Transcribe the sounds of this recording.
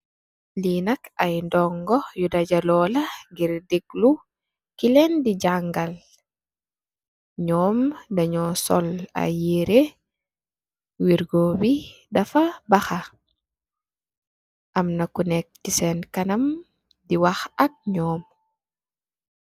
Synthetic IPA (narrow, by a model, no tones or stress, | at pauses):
linɐkajndɔŋɡɔjudaɟalɔːlɐŋɡiɾdiɡ̚lu | kilɛndiɟaŋɡal | ɲɔːmdaɲɔsɔ̰la̰jeɾe | wiɾɡobi | dafabaxa | ʔamnakunɛk̚tisɛnkanɐm | diwaxak̚ɲɔːm